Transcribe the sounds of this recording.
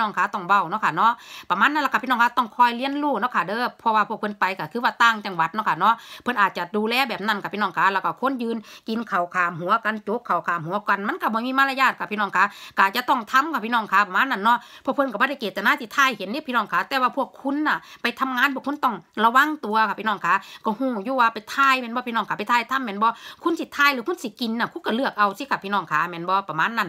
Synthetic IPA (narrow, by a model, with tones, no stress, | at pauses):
ɔː˧˩ŋkʰaː˨˥˦t̪ɔ˧˩ŋwa˧˩wnɔ˧˥kʰa˧˩nɔ˧˥˨ʔpa˧maː˧˥˨nːa˧˨lka˧˩piː˧ɔː˧˨kʰa˧t̪ɔ˧˩ŋkʰɔː˧˩jli˧˥ə˨nluː˧˩nɔ˧˥˨kʰaː˧˩dɤː˧˨pʰɔ˧waː˧pʰu˧˩ək̚ʰnpa˨jka˧˩kʰɯː˧waː˧t̪aː˧˨ŋt͡ɕa˧˩ŋwa˧˦t̪̚nɔ˧˥˩kʰa˧˩nɔ˧˥˨pʰɤ˧nʔaː˨˩t̪̚t͡ɕa˨˧˩duː˧lɛː˧˨bɛː˨˩p̚na˧˨nkʰa˧˩pʰi˧nɔː˧˩˨ŋkʰaː˧˥lɛː˧˩ka˧˩kʰo˧˥˨njɯː˧nki˨nkʰa˨˩wkʰaː˨mɦu˨˦ɐka˨nt͡ɕo˧˦kʰːa˨˩wkʰaː˨mhu˨˦ɐka˨nma˧˥˨nka˧˩bɔː˧˨˦miː˧˥˨maː˧˨la˧jaː˧˩t̪̚kʰa˧˩pʰi˧nɔː˧˩˨ŋkʰaː˧˥ka˧˩t͡ɕa˧t̪ɔ˧˩˨ŋt̪ʰa˧˥˨mkʰa˧pʰi˧˨nɔː˧˩ŋkʰaː˨˦pa˧maː˧˥nːa˧˨nːɔ˧˥˨pʰɔː˧˨pʰɤ˧nka˧˩bɔː˧˦ɾa˧˩jkeː˨˩t̪̚ːa˧naː˧˨t̪ʰi˧˨t̪ʰaː˧˥˨jhe˨˦ndi˧˦˨pʰiː˧nɔː˧˨ŋkʰaː˨˦t̪ɛː˧waː˧pʰu˧˩əkʰːu˧˥˨nːa˧˨˩pa˨jt̪ʰa˧˨mŋaː˧˥˨npʰu˧˩˨kʰu˧˥˨nt̪ɔ˧˩ŋla˧wa˧˥˨ŋt̪u˨ɐkʰa˧˩pʰi˧nɔː˧˩˨ŋkʰaː˨˦kɔː˧˩huː˧˩juː˧˦waː˧pa˨jt̪ʰaː˧˨jmɛː˧˥˨bɔ˧pʰi˧˨nɔː˧˨ŋka˨˧˨pa˨t̪ʰaː˧˨jt̪ʰa˧˥˨mːɛː˧˨nbɔː˧˦kʰu˧˥˨nsʰi˧˨t̪ʰaː˧˨jlɯː˧˦kʰu˧˥˨nsi˧˦ki˨nːa˧˨kʰuː˧˦˨ka˧˩lɯ˧˩ək̚ʔa˨wsi˧˦ka˧˩pʰːiː˧˨nɔː˧˩˨ŋkʰaː˨˦mɛː˧˨nbɔː˧pa˧maː˧˥˨nːa˧˨n